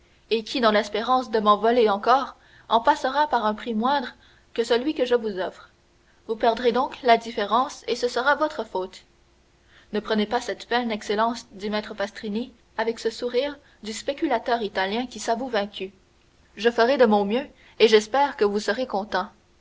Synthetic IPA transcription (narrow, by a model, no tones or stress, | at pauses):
ekʲʰid̪ɑ̃lɛspeʁɑ̃sd̪əmɑ̃vɔleɑ̃kɔːʁ | ɑ̃pasəʁapaʁɛ̃pχimwɛ̃d̪ʁ | kəsəlɥikəʒəvuzɔfʁ | vupɛʁd̪ʁed̪ɔ̃klad̪ifeʁɑ̃sesəsəʁavɔt̪χəfoːt̪ | nəpχənepasɛt̪pɛnɛkselɑ̃sd̪imɛt̪χəpast̪ʁini | avɛksəsuʁiːʁ | d̪yspekʲylat̪œːʁit̪aljɛ̃kʲisavuvɛ̃kʲy | ʒəfəʁed̪əmɔ̃mjø | eʒɛspɛːʁkəvusəʁekɔ̃t̪ɑ̃